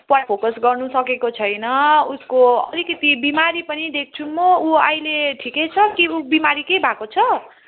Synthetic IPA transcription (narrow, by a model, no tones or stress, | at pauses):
pʌpʰokʌsɡʌrnusʌkekot͡sʰʌjnʌuskoʌ̰likʌt̪ibimaɾipʌnid̪ek̚t͡sʰumʌuajleʈʰikejt͡sʰʌkiubimaɾikejbʱakot͡sʰʌ